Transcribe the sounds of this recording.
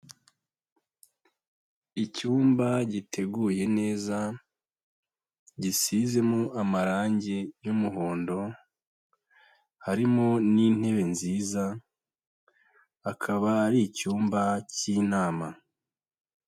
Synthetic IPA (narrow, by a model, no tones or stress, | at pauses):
icuːmbaɟitʰe̞ɡuːje̞ne̞ːza | ɟisize̞moʔamaɾaːɲɟejumuɦo̞ːndo̞ | haɾimoniːn̥he̞βe̞nziːza | kʰaβaːɾicuːmbaciːnaːma